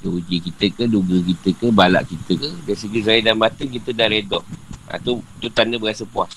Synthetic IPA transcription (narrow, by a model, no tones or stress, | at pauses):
dəud͡ʒəkit̪əkəduɡəkit̪əkəbala̰ʔkit̪əkədaisəɡizaidanmat̪əŋkit̪ədahɾedɔa̰t̪ut̪ut̪anəbəɣasəpuah